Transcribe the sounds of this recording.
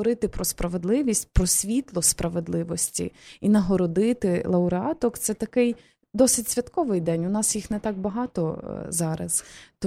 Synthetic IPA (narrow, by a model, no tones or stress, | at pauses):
ɔɾɪt̪ɪpɾɔspɾɐʋed̪lˠɪʋʲisʲtʲpɾɔsʲʋʲit̪lˠɔspɾɐʋed̪lˠɪʋɔsʲtʲḭinɐɦɔɾɔd̪ɪt̪ɪlˠɐʊɾeɑt̪ɔkt̪sɛt̪ɐkɪj | d̪ɔsɪtʲsʲʋʲɐt̪kɔʋɪjd̪ɛnʲʊnɑsjixnet̪ɑk̚bɐɦɑt̪ɔzɑɾɐ̰zt̪